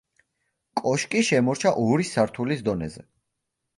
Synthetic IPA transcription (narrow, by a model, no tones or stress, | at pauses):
kʼɔʃkʼiʃɛmɔɾt͡ʃʰaʔɔɾisaɾt̪ʰulisd̪ɔnɛzɛ̰